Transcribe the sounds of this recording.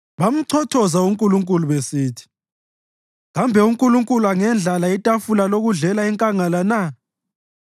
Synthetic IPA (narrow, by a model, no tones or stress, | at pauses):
βam̩ǀʰɔtʰɔzauŋkʼuluŋkʼuluβesiːtʰi̥ | ɣambʱɛuŋkʼuluŋkʼuluaŋɛnd͡ɮʱalaitʼafulaloɣuɮɛlaɛŋkʼaŋalana